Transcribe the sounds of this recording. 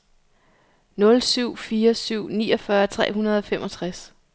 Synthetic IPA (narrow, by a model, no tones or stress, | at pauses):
nɔ̽lsyʊ̰fiːɐsyʊ̰nḭːɒ̽fɶɐt͡sʰʁɛ̰ːɦunɐð̞ˠɒ̽femʔɒ̽t͡sʰʁas